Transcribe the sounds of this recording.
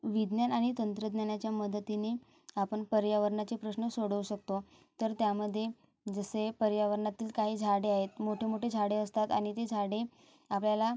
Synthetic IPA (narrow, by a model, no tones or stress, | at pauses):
ʋid̪njanaɽ̃it̪ənt̪ɾəd̪njanjat͡ɕjaməd̪ət̪ine | apəɳpəɾjaʋəɾɳat͡ɕepɾəɕɳəsoɽəʋuɕək̚t̪o | t̪əɾt̪jaməd̪ʱːje | d͡zəsepəɾjaʋəɾɳat̪iːlkaɦiːd͡zʱaɽeaɦet̪moʈʰemoʈʰed͡zʱaɽeəst̪at̪a̰ɽ̃it̪ed͡zʱaɽe | apljala